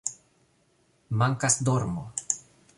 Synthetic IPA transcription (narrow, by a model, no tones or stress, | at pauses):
maŋkasd̪oɾmo̰